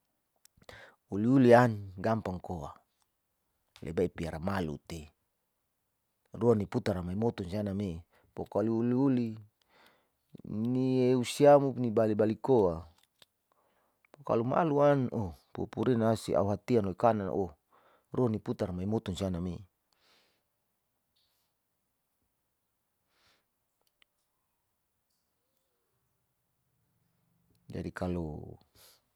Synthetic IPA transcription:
uliulianɡampaŋkoa̰ | lʔḛbaipiaɾamalṵt̪e | ruaniput̪aɾamaimɔt̪unsianame | pokaliuliuli | nieusiamupnibalibalikoa | poka̰luma̰luanopṵpuɾinasḭʔa̰uɦat̪ianoikanan̰ʔo | roniput̪armaimot̪unsianami | d͡ʒa̰dikʰalo̰

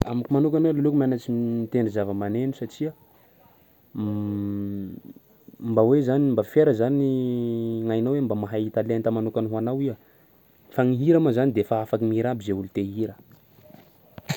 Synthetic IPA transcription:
a̰makumanukʲanelolukumanat͡siit̪eɳɖ͡ʐizavəmanenusaʈ͡ʂia | mbawezanimbafeɾəzani | ŋajnowembamaɦait̪alent̪amanukanuɦanawia | faŋiɦiɾamazanid̪efaafakimiɾabizeulut̪eɦiɾə

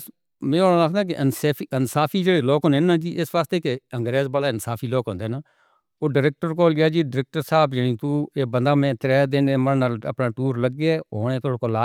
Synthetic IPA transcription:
mɛ̃ːləkʰd̪ãːk̬ɪʔənsːiənsaːpʰiːd͡ʒeːɽeːloːkɦoːneːnãːd͡ʒiːʔɪsʋaːst̪eːkeəŋɡɾeːzbaːlaːɪnsaːpʰiːloːkɦõːnd̪eːnaː | oːɖəɾeːk̚ʈəɾkoːlɡɪjaːd͡ʒiːɖəɾɛːk̚ʈəɾsaːbjənĩːt̪uːeːbənd̪aːmɛ̃ːt̪ɾɛːd̪ɪneːməlnaːlə̰pnãːtuːɾləɡɛːoːneːt̪ʰoːɽkoːlaː

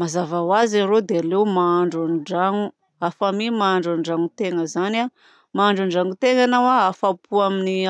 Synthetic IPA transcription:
mazavawazaɾod̪ealewmaaɳɖ͡ʐanɖ͡ʐaŋu | afamimaaɳɖ͡ʐanɖ͡ʐaŋut̪eŋəzana | maːɳɖ͡ʐaɳɖ͡ʐaŋut̪eŋanawaafapʰuamini

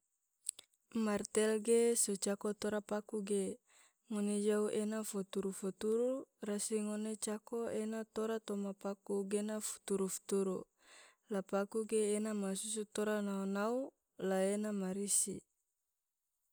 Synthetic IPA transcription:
mart̪ɛlɡesot͡ʃakot̪oɾapakuɡe | ŋoned͡ʒauenafot̪uɾufot̪uɾurasiŋonet͡ʃakoenat̪oɾat̪omapakuɡenafu̥t̪uɾufu̥t̪uɾu | lapakuɡeːnamasus̬ut̪oɾanaunau | laenamaɾisḭ

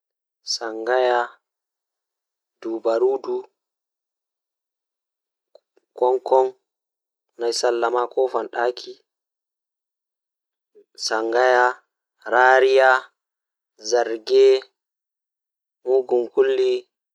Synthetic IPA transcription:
saŋɡaja | dubaɾuːdu | kɔŋkɔn | najsalːamakɔfanɗakʰi | saŋɡaja | ɾaɾija | zaɾɡɛ | muɡumkulːi

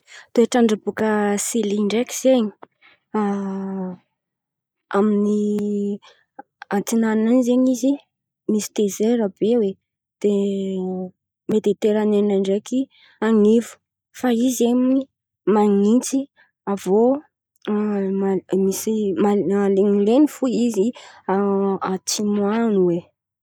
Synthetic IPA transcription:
t̪oeʈ͡ʂaɳɖ͡ʐabukəsiliɳɖ͡ʐekiz̥eɲi̥ | a | amini | at͡sinannanizeɲizi | misi̥t̪ezeɾabewe | d̪̥e | med̪et̪eɾananaɳɖ͡ʐeki | aŋivu̥ | faizemini | maŋint͡si | avo | amisimaaleŋilenifuiziaat͡simuanuwe

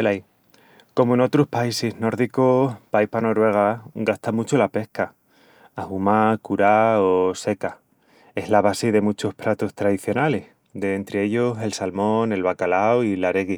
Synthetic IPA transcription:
elaj | ko̞moeno̞t̪ɾohpaisezno̞ɾðikopaihpano̞ɾwe̞ɣ̞aɡast̪amut͡ʃolape̞hkaː | humakuɾaose̞ka | e̞ɦlaβasiðe̞mut͡ʃo̞hpɾat̪ost̪ɾaðiθjo̞nale̞h | d̪eːnt̪ɾee̞ʎose̞lsalmo̞ne̞lβakalawilaɾeɣi

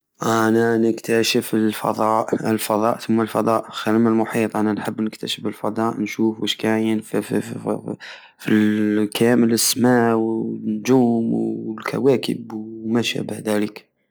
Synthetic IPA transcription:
ʔænænəkt̪æʃəfəlfɑ̰d̪ˤɑʔəlfɑd̪ˤɑ̰ʔt̪ʊmːalfɑd̪ˤɑʔxæləməlmʊħit̪ˤʔænænħəbːnəkt̪æʃəfəlfɑd̪ˤɑʔnʃufwəʃkæjənf | filkæjæmələsːmæwnd͡ʒuːmwlkʰæ̰wækə̰bwmæʃæ̰bəhd̪ælək

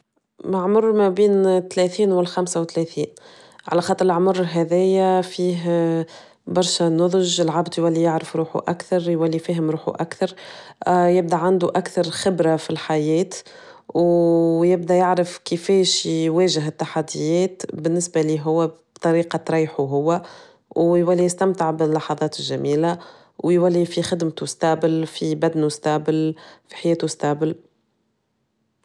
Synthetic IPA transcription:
maʕmʊrˤːmæbiːnt̪ːlɛθiːnwɪlxæmsawt̪ːlɛθiːn | ʕa̰læxɑt̪ˤːɾɪʕmʊɾˤːɦɛðɛjæfiːɦ | bɑɾˤʃænʊðˤʒɪlʕabd̪jwælːijɪʕɾəfɾuːħṵʔa̰kθɑɾˤjwælːifiːɦɪmɾuːħṵʔakθɑɾˤ | jɪb̚d̪æʕand̪uʔakθɑɾˤxɪbɾafilħajɛːt̪ | wjɪb̚d̪æjɪʕɾɪfkɪfɛːʃwɛːʒɪɦɪt̪ːaħad̪ːɪjɛːt̪bɪnːɪsbaliːɦʊwːæb̥t̪ˤɑɾiːqɑt̪ɾˤɑːjħuɦʊwːæ | wjwælːijɪst̪æmt̪əʕbɪlːɑħɑðˤɑːt̪ɪlʒæmiːla | wjwælːifixɪd̪mt̪ust̪ɑbɪlfibæd̪nust̪ɑbɪlfi̥ħajɛːt̪ust̪ɑʕbɪl

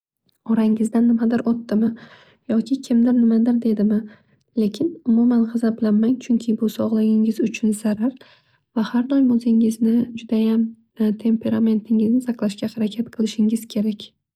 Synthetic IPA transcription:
ɒɾaŋɪzd̪anːɪmad̪ɪɾɒt̪ːɪmɪ | jɒkʲɪkʲʰɪmd̪ɪɾnɪmad̪ɪɾd̪e̞d̪ɪmɪ | le̞kʲʰɪnʊmumanʁɑzablanmaŋt͡ʃʰʊŋkʲʰɪbʊsɒʁlˠɪɡʲɪŋɪzʊt͡ʃʰʊnz̥aɾaɾ | vahaɾd̪ɒjmɵzɪŋɪznɪd͡ʒʊd̪ajam | t̪ʰe̞mpʰe̞ɾame̞nt̪ʰɪŋɪznɪsʰaqlˠaʃkʲahaɾakʲʰat̪qʰɨlˠɪʃɪŋɪz̥kʲʰe̞ɾakʲ

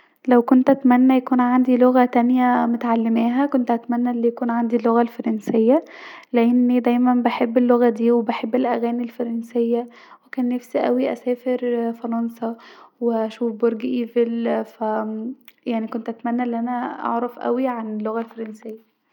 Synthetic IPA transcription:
læwkont̪ʔæt̪mænːæjækuːnʕand̪iloɣæt̪ænjæmot̪ʕalːemæːɦækont̪ʔæt̪mænːæʔelːijækuːnʕand̪ilːoɣælfɑɾˤɑnsejːæleʔenːid̪æjmænbeħebːelːoɣæd̪iːwebeħebːelʔæɣæːnilfɑɾˤɑnsejːæ | wekæːnːæfsiʔæ̰wiʔæ̰sæːfeɾfɑɾˤɑnsɑweʔæʃuːfboɾɡʔiːvelfæ | jaʕnikont̪ʔæt̪mænːæʔelːiʔænæʔɑ̰ʕɾˤɑfʔæ̰wiʕanelːoɣælfɑɾˤɑnsejːæ

